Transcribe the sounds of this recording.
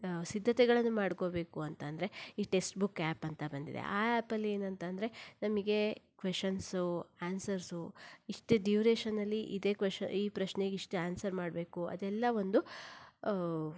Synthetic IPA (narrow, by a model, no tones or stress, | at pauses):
sid̪ʱːɐt̪ɛɡɐɭɐnːumaːɽkobe̞ːkuɐnt̪ɐnd̪ɐɾe̞iːʈe̞sʈbukːaːpɐnt̪ɐbɐnd̪id̪ḛaːaːpɐlːie̞ːnɐnt̪ɐnd̪ɐɾe̞nɐmiɡe̞kʋeʂɐnsuaːnsɐɾsuiʂʈeɖiuɾeːʃɐnːɐlːiʔid̪e̞ːkʋeʃɐiːpɾɐʃneɡiʂʈuaːnsɐɾmaːɽbeːkuɐ̰d̪ɛlːɐʋo̞nd̪u